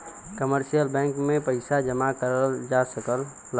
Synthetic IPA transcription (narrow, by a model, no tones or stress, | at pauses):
kəməɾsijəlbɛ̃ŋkmẽpəɪsad͡ʒəmakəɾəld͡ʒasəkəlː